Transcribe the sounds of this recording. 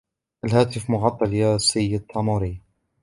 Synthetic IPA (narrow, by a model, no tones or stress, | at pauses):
ʔalɦaːt̪ɪfmʊɣɑt̪ˤːɑljasɪjːɪd̪̚t̪ʰˤːɑnuːɾɪ